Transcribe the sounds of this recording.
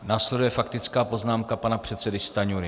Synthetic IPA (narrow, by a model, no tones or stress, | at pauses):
naːslɛdujɛfakt̪ɪt͡skaːpo̞znaːmkapanapr̝̥ɛt̪t͡sɛdɪst̪aɲuɾɪ